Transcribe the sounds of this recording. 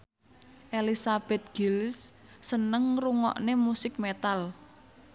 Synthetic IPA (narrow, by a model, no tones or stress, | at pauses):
ʔelisab̥ɛ̤t̪̚ɡ̥ilsː | ənəŋruŋɔ̰ʔnemusɪk̚met̪al